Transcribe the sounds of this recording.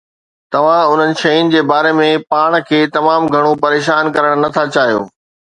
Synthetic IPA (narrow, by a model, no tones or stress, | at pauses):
t̪ɐʋ̤ãʊn̤ənɪ̆ʃɐjʊnɪ̆d͡ʑeːbaːɾemẽpaːɽ̃kʰeːt̪ɐmaːmɡʱɐɽ̃opɐɾeːʃaːnkɐɾəɽ̃nɐt̪ʰat͡ɕaːɦijo̰ː